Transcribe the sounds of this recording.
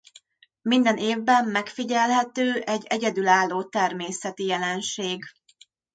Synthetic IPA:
mind̪ɛneːvbɛmːɛkfiɟɛlɦɛt̪øːʔɛɟːɛɟɛd̪ylaːlːoːt̪ɛrmeːsɛt̪ijɛlɛnʃeːɡ

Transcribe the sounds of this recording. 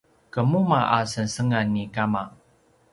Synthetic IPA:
kəmumaʔasənsəŋanːikama

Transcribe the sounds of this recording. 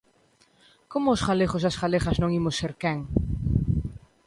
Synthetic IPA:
komʊːsχaleχosasɣaleχaznõŋimʊseɾkɛŋ

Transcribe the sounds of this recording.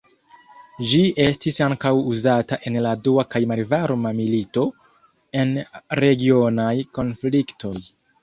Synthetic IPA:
d͡ʒiʔe̞stisaŋkawuzataʔe̞nladuakajmalvaɾmamilito̞ | e̞nɾe̞ɡio̞najko̞nfliktʰo̞j

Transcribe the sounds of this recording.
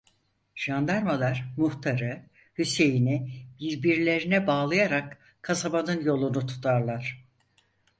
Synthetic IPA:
ʒ̥and̪aɾmalˠaɾ̥muht̪ʰaɾɯ | hyse̞jinibiɾbiɾlʲe̞ɾinɛbaːlˠajaɾak | kʰːasabanɯnjo̞lˠunut̪ʰu̥t̪ʰaɾlˠaɾ̥

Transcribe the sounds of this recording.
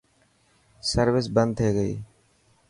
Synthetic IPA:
səɾʋɪs̬bənd̪̚ʰeːɡəḭː

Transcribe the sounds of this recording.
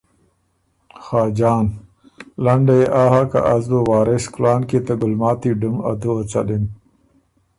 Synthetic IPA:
xaːd͡ʑaːn | lɐɳɖeʔaːɦaka̰ʔɐzd̪owaːɾesklaːnket̪aɡʊlmaːt̪iɖuma̰d̪uɐt͡sa̰ɗin

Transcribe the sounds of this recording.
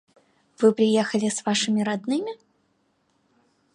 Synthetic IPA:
v̥ɨpɾʲɪjɛxəlʲɪsvaʂɨmʲɪɾad̪nɨmʲɪ

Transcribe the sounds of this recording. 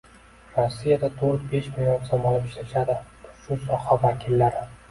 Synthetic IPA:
ɾɒsːijad̪at̪ʰoɾt̪̚be̞ʃmɪljonsɒmɒnapɪʃlaʃad̪ɪ̥ | ʃʊsɒhavakʲʰɪlːaɾɪ

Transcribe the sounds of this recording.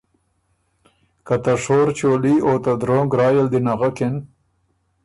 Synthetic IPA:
kat̪aʂoːɾt͡ʃoːliot̪ad̪ɾoːŋɡɾɑːjəld̪inaɣakɪn

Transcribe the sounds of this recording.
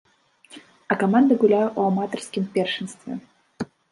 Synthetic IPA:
ɐkamand̪ɨɣulʲajuʔamat̪ɐrskʲimpʲɛrʂɨnst̪vʲɛ̰

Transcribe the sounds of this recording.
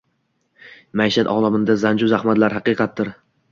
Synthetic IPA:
majʃat̪ɒ̰ːlˠamɪnd̪azand͡ʒʊzahmat̪laɾhɑqɨqʰɑt̪̚ːɪɾ

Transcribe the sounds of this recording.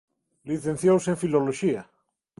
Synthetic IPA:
liθenθjowsẽɱfiloloʃia

